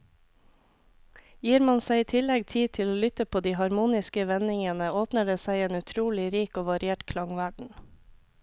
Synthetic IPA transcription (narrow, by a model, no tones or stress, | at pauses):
jiːɾmɑnsæɪiːt̪ʰɪlɛɡt̪ʰiːt̪ʰɪloːlʏt̪əpʰoːd̪iːhɑɾmuːnɪskəʋɛnɪŋənəoːpnəɖeːsæɪeːnʉt̪ʰɾuːlɪɾiːkoːʋɑɾɪeːʈkʰlɑŋʋæɖɳ̩